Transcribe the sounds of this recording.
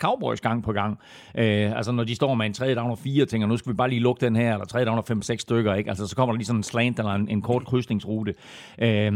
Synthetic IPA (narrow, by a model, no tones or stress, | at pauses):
kʰɑ̈ʊb̥ɒɪsɡ̥ɑ̈ŋ̰pʰɒ̽ɡ̥ɑ̈ŋ̰ | ʔøælsənɒdisd̥ɒ̰ːmeent͡sʰʁɛðˠəd̥ɑ̈ʊnɐfiːɐt͡sʰeŋ̰ɡɐnusɡ̥æʋib̥ɑ̈ːliːlɔ̽ɡ̥əd̥enɦæɐ̰elɐt͡sʰʁɛðˠjdɑ̈ʊnɐfem̰seɡ̥sːd̥øɡ̥ɐe̝ɡ̥ælsəsɒ̥̽kʰɒ̽mɐd̥ɑ̈liːsɒ̽nenslɛːnd̥elɐene̝nkʰɒːd̥̚kʰʁysd̥ne̝ŋsʁuːd̥ə | ʔø